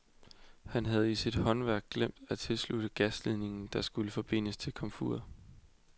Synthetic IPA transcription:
hænɦæð̞̩ˠisid̥hɒ̽nʋæɐɡ̥̚ːlem̰d̥æt͡sʰe̝lslud̥əɡ̥æslið̰ˠne̝ŋn̩d̥ɑ̈sɡ̥uləfɒ̽b̥e̝n̰əst͡sʰe̝lkʰɒ̽mfṵɐ

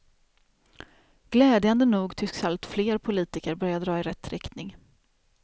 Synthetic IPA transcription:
ɡ̥lɛːd̪jand̪ənuːɡt̪ʰʏsksalt̪fleːɾpʰʊliːt̪ɪkəɾbœɾjad̪ɾɑːɪɾɛt̪ːɾɪkt̪nɪŋ

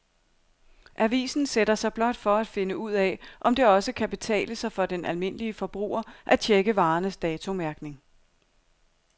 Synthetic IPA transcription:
ʔæʋḭːsn̩seɾɐsɑ̈ɪb̥lɒ̽d̥fɒ̽æd̥fe̝nəuð̞̰ˠɛʔɒ̽md̥e̝ɒ̽səkʰæb̥e̝t͡sʰɛ̰ːləsɑ̈ɪfɒ̽d̥enʔælme̝n̰əliəfɒ̽b̥ʁṵːɐʔæt͡ɕʰeɡ̥əʋɑ̈ːnəsd̥ɛːt͡sʰo̝mæɐɡ̥ne̝ŋ

